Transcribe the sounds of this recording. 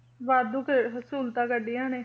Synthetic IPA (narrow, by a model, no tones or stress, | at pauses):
ʋaːd̪uːkeɦəsuːlt̪ãːkəɖijãːneː